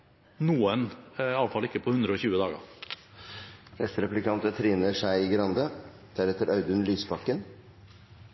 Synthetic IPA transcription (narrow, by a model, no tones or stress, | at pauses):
nuːənɑlfɑlɪkːəpʰɔhʉnd̪ɾəɔːçʉːəd̪ɑːɡə̰ | nɛst̪ɾɛplɪkʰɑnt̪ət̪ʰɾiːnəʂæɪiɡɾɑnd̪ə | d̪̥æɾɛt̪əɾʔɑʉd̪ʉnlyːsbɑkːən